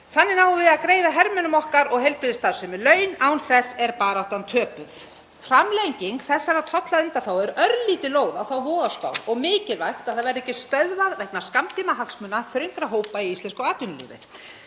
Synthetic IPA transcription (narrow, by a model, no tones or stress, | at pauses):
θanːɪnaːwvɪðaðkɾeːjðaɦɛɾmœnʏmɔhkaɾɔɣɦejlpɾɪðɪst̪aːðsʏmɪlœːɥnaːwnθɛsɛɾpaːɾaɔwht̪ant̪ʰœːpʏθ | fɾamlejɲciŋkθɛsːaɾaðt̪ʰɔt̪laʏnt̪aθawɛɾœɾliːt̪ɪloːwðawθawvɔːðaska̰ːwɾɔɣmɪːcɪlvajxt̪aðθaðvɛɾðɛcːɪst̪œðvaɾvɛk̚naɾ̥skamt̪ʰiːmaɦaksmʏnːaθɾʏŋkɾaɦoːwpaiist̪ɛnskɔaːt̪ʏnɪlḭːvɪ̰